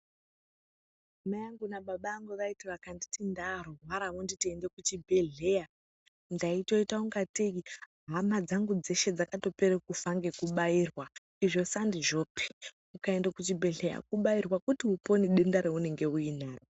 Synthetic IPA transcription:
majaŋɡunaɓaɓaːŋɡuʋaitiʋakanditindaɾowaɾaʋunditiende̞kut͡ʃibʱe̞ɮeja | ndaito̞itauŋɡateiɦamad͡zaŋɡud͡ze̞ʃe̞d͡zakato̞peɾekufaŋɡe̞kuɓaiːrwa | iʐo̞sandiʐo̞pʰi̥ | ukae̞ndakut͡ʃibʱe̞ɮeja̰kuɓairwakutiupo̞niɗendaɾeune̞ŋɡe̞uinaːro

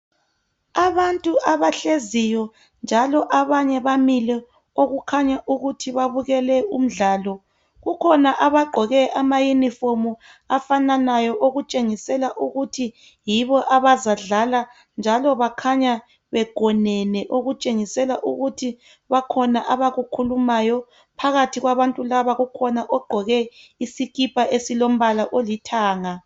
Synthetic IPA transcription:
aβantʼuʔaβaɬezijɔ | nd͡ʒʱalɔʔaβaɲɛβamilɛ | oɣukʰaɲaʔuɣutʰiβaβuɣɛlɛṵm̩ɮaːlɔ | ɣukʰɔnaʔaβaɡ͡ǃʱɔɣɛʔamajunifomu | afananajɔʔoɣut͡ʃʼeŋisɛlaʔuɣutʰi | jiβɔʔaβazaɮala | nd͡ʒʱalɔβakʰaɲa | βɛɡ̥ʱɔnɛnɛʔoɣut͡ʃʼeŋisɛlaʔuɣutʰi | βakʰɔnaʔaβaɣukʰulumajɔ | pʰaɣatʰiɣwaβantʼulaβaɣukʰɔnaʔɔɡ͡ǃʱɔɣɛisiɣipʰʼaʔesilom̩βalaʔolitʰaːŋa

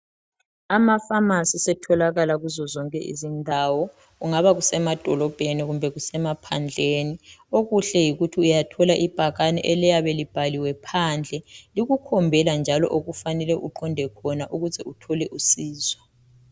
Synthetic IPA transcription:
amafamasisɛtʰɔlaɣalaɣuzɔzɔŋkʼɛ̰ʔḭzindʱawɔ | ɣuŋaβaɣusɛmad̥ʱɔlɔb̥ʱeniɣumbʱɛɣusɛmapʰand͡ɮʱeːnioɣuɬɛjiɣutʰiujatʰɔlaʔib̥ʱaɣanɛ̰ʔɛlɛjaβelib̥ʱaliwɛpʰand͡ɮʱɛliɣukʰɔmbʱɛland͡ʒʱalɔ̰ʔoɣufanɛlɛʔuǃɔndʱɛkʰɔnaʔuɣuzɛutʰɔlɛʔusiːzwa

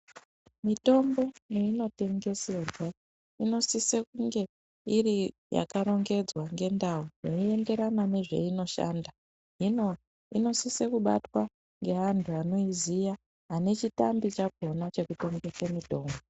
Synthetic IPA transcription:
mito̞mbo̞neino̞te̞ŋɡe̞se̞rwa | ino̞sisekuŋɡe̞ | iri | ja̰kaɾo̞ŋɡe̞d͡zwaŋɡe̞ndaujoie̞nde̞ɾanane̞ʐe̞̰ino̞ʃa̰nda | ɦino | ino̞sisekuɓa̰twa | ŋɡe̞ɦantʰuano̞izija | ɦane̞t͡ʃita̰mbit͡ʃaɡ̚ʱo̞nat͡ʃe̞kuto̞ŋɡesemito̞ːmbo

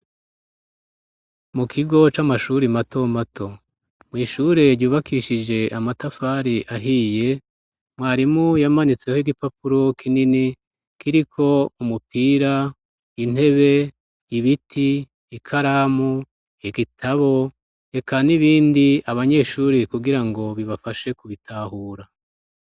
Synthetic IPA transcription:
mukʰiɡo̞t͡ʃamaʃuɾimato̞matʰo̞ | mŋiːʃuːɾe̞ɾɟuːβakʰiʃid͡ʒe̞ʔamatafaːɾiʔaɦiːje̞ | mwaːɾimujamanit͡se̞hiɡipapuɾo̞kʰinini | kʰiɾikʰo̞umupiːɾa | in̥e̞βe̞ | iβitʰiː | kʰaɾaːmu | iɡitʰaβo̞ | e̞kʰaniβiːndiaβaɲe̞ʃuːɾekuɡiɾaŋɡo̞βiβafaʃe̞kuβitʰaːhuːɾa

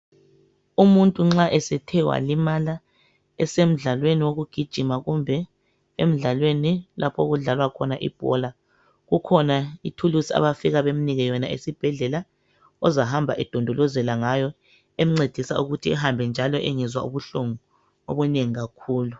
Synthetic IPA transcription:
umuntʼuŋ͡ǁaʔɛsɛtʰɛwa̰limala | ɛsem̩ɮalweniwoɣuɡ̥ʱid̥ʒ̥ʱimaɣumbʱɛ | em̩ɮalwenilapʰoɣuɮalwakʰɔnaʔḭb̥ʱɔ̰la | ɣukʰɔnaitʰulusia̰βafiɣaβem̩niɣɛjɔnaesib̥ʱɛɮɛla | ɔzaɦambʱa̰ʔɛd̥ʱɔndʱɔlɔzɛlaŋajɔ | em̩ŋ͡ǀed̥ʱisa̰uɣutʰiɛɦambʱɛnd͡ʒʱalɔʔeŋizwa̰ṵβuɬuŋu | oβuneŋiɣakʰuːlu

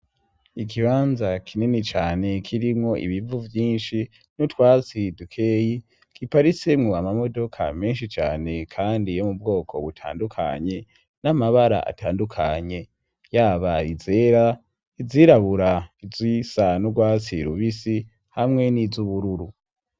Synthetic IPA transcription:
ik̬iβaːnzakʰininit͡ʃaːne̞kʰiɾimŋo̞ʔḭβivuvjiːnʃi | nutwaːt͡sidukʰeji | kipaɾit͡semŋoamamo̞do̞kʰa̰me̞ːnʃit͡ʃa̰ːne̞kʰaːndijomub̚ɡo̞ːkʰo̞̰βutʰa̰ːndukʰa̰ɲe̞ | namaβaɾa̰ʔa̰taːndukʰaɲe̞ | jaːβaize̞ɾa | iziɾaβuɾaizwisanuɡwaːt͡siɾuβisi | hamŋe̞nizuβuɾuɾu

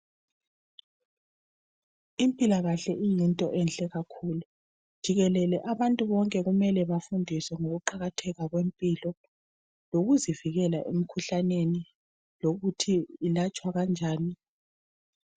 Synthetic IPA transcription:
impʼilaɣaɬɛʔijintʼɔʔɛnɬʼɛɣakʰulu | d̥ʒ̥ʱiɣɛlɛlɛʔaβantʼuβɔŋkʼɛɣumɛlɛβafundʱisɛŋoɣuǃaɣatʰɛɣaɣwempʼilɔ | loɣuziviɣɛla̰ʔḛm̩kʰuɬaneni | loɣutʰiːlat͡ʃʼwaɣand͡ʒʱaːni

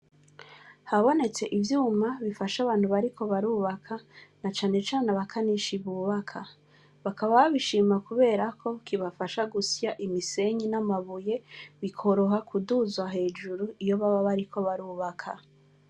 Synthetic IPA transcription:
haβo̞ne̞t͡se̞ʔivjuːmaβifaʃaβaːn̥huβaɾikʰo̞βaɾuːβakʰanat͡ʃaːne̞t͡ʃaːnaβakʰaniʃiβuːβakʰa | βakaβaβaβiʃiːmakuβe̞ːɾakʰo̞kʰiβafaʃaɡusjaʔimise̞ɲinamaβuje̞βikʰo̞ɾo̞ɦakʰuduzwaɦe̞ːd͡ʒuɾuijo̞βaβaβaɾikʰo̞βaɾuːβakʰa̰

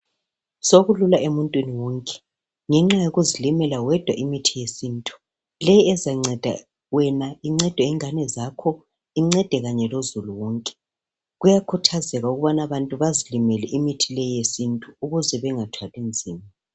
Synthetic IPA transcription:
soɣululaʔemuntʼwiniwɔŋkʼɛ̥ | ŋɛŋ͡ǁajoɣuzilimɛlawɛd̥ʱwa̰ʔimitʰijesintʼu̥ | lɛjɛzaŋ͡ǀɛd̥ʱa̰ | wɛnaiŋ͡ǀɛd̥ʱwɛiŋanɛzakʰɔ | iŋ͡ǀɛd̥ʱɛɣaɲɛlozuluwɔːŋkʼɛ̥ | ɣujakʰutʰazɛɣauɣuβanaβantʼuβazilimɛlɛʔimitʰilɛjesintʼuːɣuzɛβɛŋatʰwalind͡zʱiːma

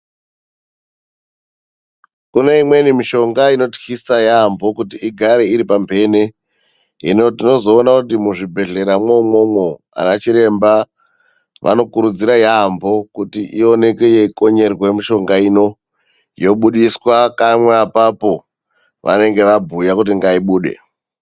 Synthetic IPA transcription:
kuneimwe̞nimiʃo̞ŋɡaino̞txisajambo̞kutiiɡʱaɾeiɾipambʱe̞ːne | ḭnotino̞zo̞ːnakutimuʐibʱe̞ɮe̞ɾamwomo̞mwo̞ | a̰nat͡ʃiɾe̞mba | ʋʔa̰no̞kuɾud͡ziɾajambo̞kutiʔio̞ne̞kejeiko̞ɲe̞rwe̞miʃo̞ŋɡaino̞ | jo̞ɓuɗiswakamweapapo̞ | ʋʔa̰ne̞ŋɡe̞ʋabʱujakutiŋɡaiɓuːɗe̞̰

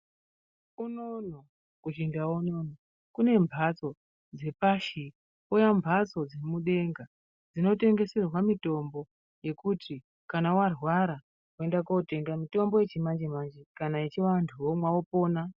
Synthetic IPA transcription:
unono | kut͡ʃindawonono | kune̞mbʱat͡so̞ | d͡ze̞paʃi | ujambʱat͡so̞d͡ze̞muɗe̞ŋɡa | d͡zino̞te̞ŋɡe̞se̞rwamito̞mbo̞ | je̞kuti | kanawarwaɾa | we̞ndakote̞ŋɡamito̞mbo̞je̞t͡ʃimand͡ʒemand͡ʒekanaet͡ʃiʋantʰuwomwaopo̞ːna

